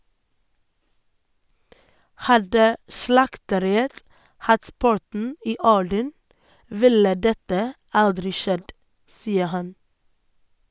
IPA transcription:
ˈhɑdə ˈʃlɑktəˌɾɪət ˈhɑt ˈpʊɾtɳ̩ ˈiː ˈɔɖən ˈʋɪlə ˈdɛtə ˈɑldɾɪ ˈʃɛd ˈsiːə ˈhɑn

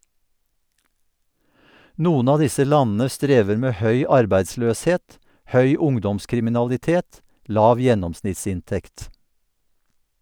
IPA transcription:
ˈnuːən ˈɑː ˈdɪsə ˈlɑnn̩ə ˈstɾeːʋəɾ ˈmeː ˈhœʏ ˈɑɾbæɪdˌsløːsˌheːt ˈhœʏ ˈʊŋdɔmskɾɪmɪnɑlɪˌteːt ˈlɑːʋ ˈjɛnɔmsnɪtˌsɪnˌtɛkt

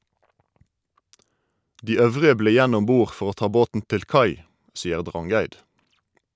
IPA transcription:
ˈdiː ˈœʋʁɪə ˈbleː ˈjæn ˈɔm ˈbuːʁ ˈfɔʁ ˈoː ˈtɑː ˈboːtn̩ ˈtɪl ˈkɑɪ ˈsiːəʁ ˈdʁɑŋˌɡæɪd

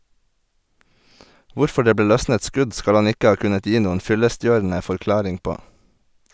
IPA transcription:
ˈʋʊɾfɔ ˈɖeː ˈbeː ˈlœsnət ˈskʉɟ ˈskɑl ˈɑn ˈɪkə ˈɑː ˈkʉnət ˈjiː ˈnuːən ˈfʏləˌstjøːɾn̩ə fɔɾˈklɑːɾɪŋ ˈpoː

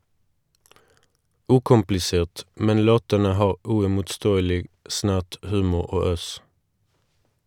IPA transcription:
ˈʉːkʊmplɪˌseːʁt ˈmɛn ˈloːtənə ˈhɑːʁ ʉɪmʊtˈstoːəlɪɡ ˈsnæʁt ˈhʉːmʊʁ ˈoː ˈøːs

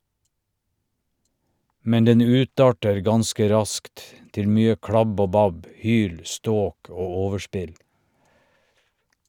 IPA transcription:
ˈmɛn ˈdɛn ˈʉːˌtɑːʈəɾ ˈɡɑnskə ˈɾɑskt ˈtɪl ˈmyːə ˈkɽɑb ˈoː ˈbɑb ˈhyːl ˈstoːk ˈoː ˈoːʋəˌʃpɪl

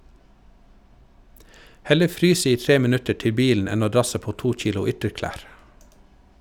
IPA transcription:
ˈhɛlə ˈfɾyːs ˈiː ˈtɾeː məˈnʉtə ˈʈɪ ˈbiːln̩ ˈɛn ˈoː ˈdɾɑsə ˈpoː ˈtuː ˈc͡çiːlʊ ˈʏtəɾˌklæːɾ

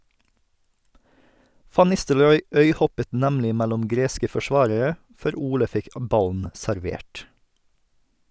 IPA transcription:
ˈfɑn ˈnɪstəlɾɔʏ ˈœʏˌhɔpət ˈnæmlɪ ˈmælʊm ˈɡɾeːskə fɔˈʃʋɑːɾəɾə ˈfœɾ ˈuːlə ˈfɪk ˈʔbɑln̩ sæɾˈʋeːʈ

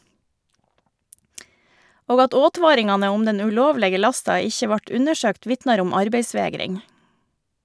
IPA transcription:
ˈoːɡ ˈɑt ˈoːˌtʋɑːɾɪŋɑnə ˈʊm ˈdɛn ʉˈloːʋlɛɡə ˈlɑstɑ ˈɪçə ˈʋɑʈ ˈʉnəˌʃøːkt ˈʋɪtnɑɾ ˈʊm ˈɑɾbeɪˌsʋeːɡɾɪŋ

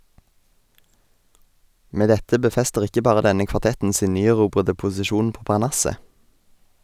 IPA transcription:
ˈmeː ˈdɛtə bəˈfɛstəʁ ˈɪkə ˈbɑːʁə ˈdɛnə kʋɑˈtɛtn̩ ˈsiːn ˈnyːæˌʁuːbʁədə pʊsɪˈʃuːn ˈpoː pɑʁˈɳɑsə

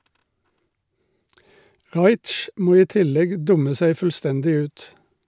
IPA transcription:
ˈʁɑɪt͡ʃ ˈmoː ˈiː ˈtɪlɛɡ ˈdʊmə ˈsæɪ fl̩ˈstɛndɪ ˈʉːt

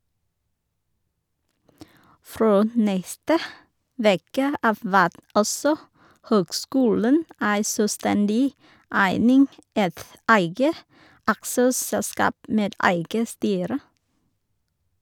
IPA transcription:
ˈfɾoː m ˈnɛstə ˈʋeːkə ˈɑːʋ ˈʋæːt ˈɔsɔ ˈhøːɡˌskuːlən ˈæɪ sœˈstɛndɪ ˈæɪnɪŋ ˈɛt ˈæɪɡə ˈɑksəˌsɛlˌskɑːp ˈmeːd ˈæɪɡə ˈstyːɾə

